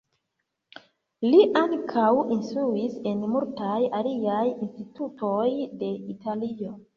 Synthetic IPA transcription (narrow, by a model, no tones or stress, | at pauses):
liʔaŋkʰawinstɾuise̞nmultajaliajinstituto̞jde̞itʰalio̞